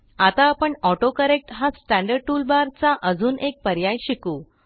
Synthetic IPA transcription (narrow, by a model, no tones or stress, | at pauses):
at̪aːpəɳɔʈokəɾek̚ʈɦasʈæ̃ɳɖəɾɖ̚ʈuːlbaɾt͡saʔəd͡zuːnʔek̚pəɾjajɕikuː